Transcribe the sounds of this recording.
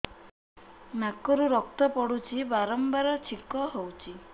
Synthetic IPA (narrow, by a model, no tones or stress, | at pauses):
nakɔɾuɾɔk̚t̪ɔpɔɽut͡ʃʰibaɾɔmbaɾɔt͡ʃʰikɔɦowt͡ʃʰi